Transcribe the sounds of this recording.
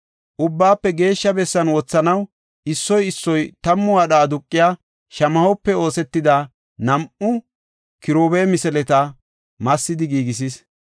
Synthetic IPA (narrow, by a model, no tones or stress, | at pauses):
ʔʊbːaːpːɛɡe̞ːʃːɐbɛsːɐnwɔt͡sːɐnɐw | ɪsːɔjɪsːɔjt̪ɐmːʊwaːɗɐːd̪ʊkʼːɪjaː | ʃɐmɐhɔpːɛo̞ːsɛt̪ːɪd̪ɐ | nɐmʊ | kɪɾoːbeːmɪsɛlɛt̪ɐ | mɐsːɪd̪ɪɡiːɡɪs̬is